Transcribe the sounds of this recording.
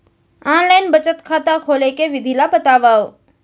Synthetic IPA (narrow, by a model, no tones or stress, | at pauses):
aːnlaːjnbət͡ʃət̪kʰaːt̪akʰoːlekeʋɪd̪ʱiːlabət̪aːʋaːo